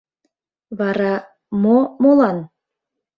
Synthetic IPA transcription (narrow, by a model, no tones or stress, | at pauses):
βɑɾɑ | momolɑn